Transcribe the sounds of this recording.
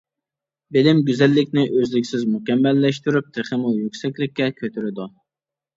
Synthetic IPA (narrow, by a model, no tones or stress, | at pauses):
bɪlɪmɡʲyzɛlːɪkʲnɪʔøzlɪkʲsɪzmukʲɛmːɛlːɛʃt̪yɾyp̚t̪ʰeχəmujøkʲsɛkʲlɪkʲːɛkʲʰøt̪ʰyɾɪd̪ʊ